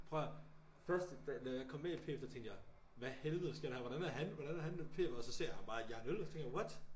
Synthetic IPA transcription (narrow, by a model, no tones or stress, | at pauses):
pʰʁœɐ | fɶɐsd̥d̥ænɒjɑ̈ɪkʰɒ̽mːeipʰe̝̰ːfd̥ɒt͡sʰeŋd̥jɑɪ | ʋæhelʋð̩sɡ̥ɐɾ̥ehæʋɒɾ̥ænæɦænʋɒɾænæhænpʰe̝̰̥ːɒ̽sɒ̽se̝̰ɐ̰jæb̥ɑ̈ːjɑnølst͡sʰeŋd̥jɑɒd̥